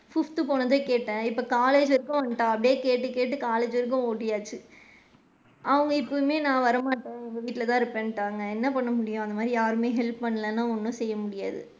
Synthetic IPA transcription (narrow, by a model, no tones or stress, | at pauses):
fʊft̪ɯpoːnɐðeːkeːʈːẽːɪpːɐkaːleːd͡ʒɪɾɯkːʊ̃ʋɐnʈːãːɐp̬ːɐɽɪjeːkeːʈːɯkeːʈːɯkaːleːd͡ʒɪɾɯk̬ːʊ̃oːʈːɪjaːt͡ʃːɯ | ʔɐʋɐŋɡɐɪpːɐjɯmeːnãːʋɐɾɐmaːʈːẽːɪŋɡɐʋiːʈːɪlɐt̪ãːɪɾɯpːẽːnʈːaːŋɡɐɛnːɐpɐɳːɐmʊɽɪjʊ̃ɐnd̪ɐmaːd̪ɾijaːɾɯmeːɦɛlppɐɳːɐlɐnːãːɔnːɯ̃sɛjːɐmʊɽɪjaːðɯ̰